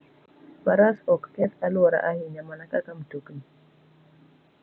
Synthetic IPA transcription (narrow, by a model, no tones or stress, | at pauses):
baɾasɔkkɛt̪aluwaɾa̰ʔahinamanakakamtukni